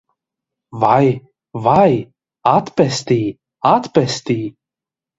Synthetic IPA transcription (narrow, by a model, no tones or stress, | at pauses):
vaj | vaj | at̪pɛsʲt̪iː | at̪pɛst̪iː